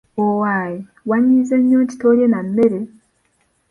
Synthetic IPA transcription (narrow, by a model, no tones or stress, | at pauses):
owaːje | waɲːizeɲːoːɲci̥toːɾjenamːeɾe